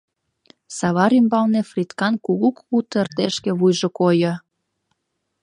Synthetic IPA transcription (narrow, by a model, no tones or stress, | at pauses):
sɑβɑɾymbɑlnefrʲit̪kɑnkuɣukut̪ert̪eʃkeβujʒokojɤ̆